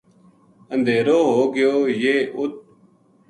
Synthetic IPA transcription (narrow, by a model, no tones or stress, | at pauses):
ənd̪ʱeːɾoːɦoːɡɪjoːjeːʔʊt̪̚